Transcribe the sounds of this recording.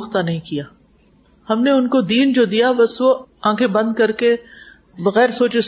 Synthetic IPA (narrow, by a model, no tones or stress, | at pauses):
xt̪anɐɦĩkijaː | hɐmneʊnkod̪iːnd͡ʒod̪ijabɐsʋoãːkʰebɐ̃nd̪̚kɐɾke | bɐɣɛːɾsoːt͡ʃes